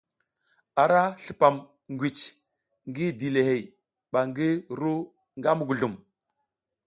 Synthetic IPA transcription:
a˨ɾa˦ɬu˨pa˨m | ŋɡʷi˨t͡ʃ | ŋɡi˦di˨le˨he˨j | ɓa˨ŋɡi˦ɾu˦ | ŋɡa˦mu˦˨ɡu˨ɮu˨m

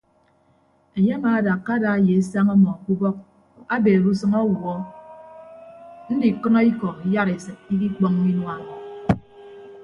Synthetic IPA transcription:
e˨ɲe˦a˦maː˨˦da˨kːa˦da˨a˦je˨˦sa˦ŋɔ˦mɔ˨ku˦bɔ˦k̚ | a˦beː˨ɾu˦sɨ˦ŋɔ˦wu˨ɔ˦ | n̩˦di˨kɨ˦nɔ˦i˦kɔ˨i˦ja˦ɾe˨sɨ˨t̚i˦ki˦k͡pɔ˦ŋ˦mi˦nwa˦mɔ˨

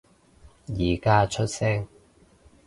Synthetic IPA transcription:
jiː˨˩kaː˥t͡ʃʰɵ˥t̚sɛː˥ŋ

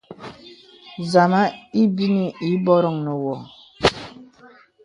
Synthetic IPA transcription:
za˨ma˦i˦bi˦ni˨i˨˦bɔ˦ɾɔ˦˨ŋnə˨wɔ˨

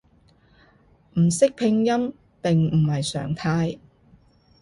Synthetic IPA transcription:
m̩˨˩sɪ˥k̚pʰɪ˧ŋjɐ˥m | pɪ˨ŋm̩˨˩hɐ˨jsœ̰ː˨˩ŋt̪ʰaː˧j

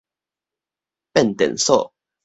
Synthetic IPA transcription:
pɛ˥˨nt̪ə̰˨nso˥˨

